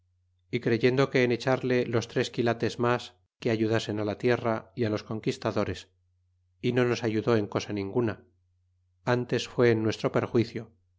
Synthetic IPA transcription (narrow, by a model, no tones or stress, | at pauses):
ikɾe̞ʝe̞nd̪o̞ke̞ːne̞t͡ʃaɾle̞lo̞st̪ɾe̞skilat̪e̞zmas | keaʝuðase̞nalat̪je̞raialo̞sko̞ŋkist̪aðo̞ɾe̞s | ino̞no̞saʝuðo̞e̞ŋko̞sanĩŋɡuna | ant̪e̞sfwe̞ːnːwe̞st̪ɾo̞pe̞ɾxwiθjo̞